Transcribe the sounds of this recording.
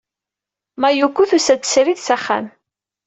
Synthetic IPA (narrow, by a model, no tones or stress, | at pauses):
mæjukːuθusæt͡sːə̥sɾiðsæχːæ̰n